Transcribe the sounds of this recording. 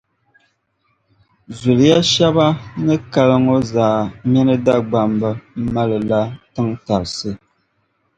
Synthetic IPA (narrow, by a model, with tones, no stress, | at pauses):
zu˨lja˦ʃa˦ba˦nɨ˦ka˦lə˦ŋo˦zaː˨mɛ˦nɨ˦da˦ɡ͡ba˨mbə˦m̩˦ma˦lɨ˨la˦tɨ˦ŋta˨ɾsɨ˦˨